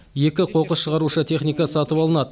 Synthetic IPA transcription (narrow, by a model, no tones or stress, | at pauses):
je̞kʲɪqʰo̞qəsʃəʁɑɾuʃət̪ʰe̞χnijkɑsɑt̪əpɑlˠənɑd̪ə